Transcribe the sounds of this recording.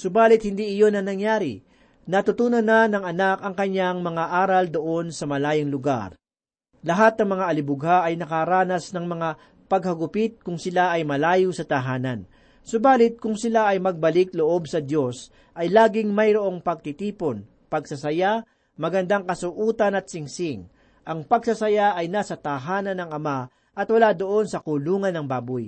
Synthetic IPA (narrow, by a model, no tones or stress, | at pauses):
sʊbaːlɪt̪̚hɪnd̪iɪjo̞nɐnɐŋjaːɾɪ | nɐt̪ʊt̪uːnɐnːɐnɐŋɐnakɐŋkɐɲːaŋmɐŋaʔaːɾɐld̪oʔo̞nsɐmɐlaːjɪŋlʊɡa̰ɾ | lɐɦat̪̚nɐŋmɐŋaʔɐlɪbʊɡhaʔɐjnɐkaɾaːnɐsnɐŋmɐŋa | pɐɡ̚hɐɡʊpɪt̪̚kʊŋsɪlaʔɐjmɐlaːjusɐt̪ɐɦaːnɐn | sʊbaːlɪt̪̚kʊŋsɪlaʔɐjmɐɡ̚bɐlɪkloʔo̞bsɐd̪jo̞s | ʔɐjlaːɡɪŋmɐjɾoʔo̞ŋpɐɡ̚t̪it̪iːpo̞n | pɐɡsɐsɐja | mɐɡɐnd̪aŋkɐsʊʔuːt̪ɐnɐt̪̚sɪŋsɪŋ | ʔɐŋpɐɡsɐsɐjaʔɐjnaːsɐt̪ɐɦaːnɐnɐŋɐma | ʔɐt̪wɐlaːd̪oʔo̞nsɐkuluːŋɐnːɐŋbaːbʊj